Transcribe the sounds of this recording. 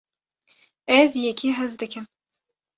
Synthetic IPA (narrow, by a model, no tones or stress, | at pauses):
ɛzjɛkʰiːɦɛzd̪ɨkʰɨm